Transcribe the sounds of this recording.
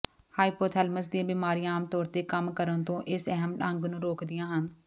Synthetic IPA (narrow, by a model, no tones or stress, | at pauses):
haːiːpoːɾt̪ʰɛːlməs̬d̪iãːbiːmaːɾiːãaːmt̪ɔːɾt̪eːkəmkəɾənt̪õːʔɪsəɦəmʈə̃ŋɡnũːɾoːkd̪ɪjãːɦən